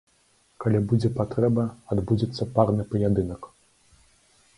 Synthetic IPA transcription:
kalʲibud͡zʲɛpat̪ɾɛbɐad̪bud͡zʲit̪sːɐparnɨpɐjad̪ɨnɐk

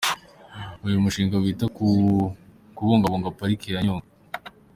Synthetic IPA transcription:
ujumuʃiːŋɡawiːtaku | kuβoːŋɡaβoŋɡapaɾikiɾaɲoːŋɡa

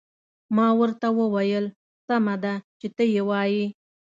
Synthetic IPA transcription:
mɑwəɾt̪awəwajəl | samad̪at͡ʃet̪əjewɑji

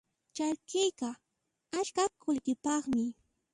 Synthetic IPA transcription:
t͡ʃalkɪjka | at͡ʃkakʊlkɪpɑχmɪ

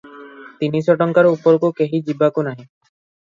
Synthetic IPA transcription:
t̪iniʃɔʈɔŋkaɾupːoɾkokeɦid͡ʑibakonaɦe

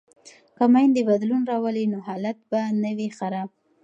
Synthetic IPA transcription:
kamajnd̪əbad̪lunɾɑwəlinoɦɑlat̪̚banəwixaɾab

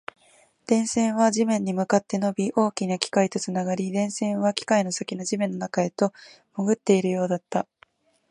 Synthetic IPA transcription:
d̪̥ẽ̞ɰ̃sẽ̞ɰ̃βaʑimẽ̞ɲ̟ːimɯ̟kat̪ːe̞no̞bʲiʔo̞ːkʲinakʲi̥kait̪o̞t͡sɨnaɡaɾʲid̪ẽ̞ɰ̃sẽ̞ɰ̃βakʲi̥kaino̞sakʲino̞ʑimẽ̞nːo̞nakae̞t̪o̞ | moɡɯ̟t̪ːe̞iɾɯ̟jo̞ːd̪at̪ːa

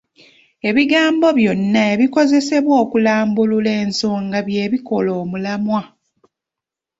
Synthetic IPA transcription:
e̞βiɡaːmbo̞βjo̞nːaeβiko̞ze̞se̞βwoːkulaːmbulule̞ːnso̞ːŋɡaβje̞ːβiko̞lo̞ːmulamwa

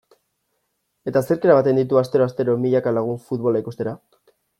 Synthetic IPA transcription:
e̞t̪ase̞ɾkeɾaβat̪e̞nd̪it̪uast̪e̞ɾo̞ast̪e̞ɾo̞miʎakalaɣ̞uɱfut̪̚βo̞laikust̪e̞ɾa

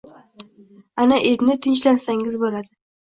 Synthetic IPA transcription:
anaʔet̪nɪt̪ʰɪnt͡ʃlansaŋɪzbolad̪ɪ

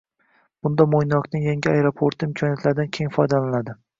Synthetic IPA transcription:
b̥ʊnd̪amojnɒqnɪŋjaŋʲɪajeɾopʰoɾt̪ʰɪɪmkʰɒnijat̪ʰlaɾd̪ankʲʰe̞ŋfɒjd̪alalad̪ɪ

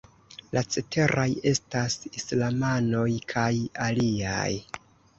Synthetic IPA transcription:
lʔat͡se̞tʰe̞ɾʔaje̞stasislamano̞jkʰajalia̰j

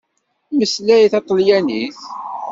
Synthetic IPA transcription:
məslæiθɑt̪ˤːljæniθ

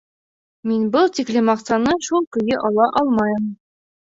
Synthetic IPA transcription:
minbɤlˠt̪iklɘmɑqsɑnɤʃulˠkɵ̆jɘʔɒlˠɑʔɒlˠmɑjɤ̆m

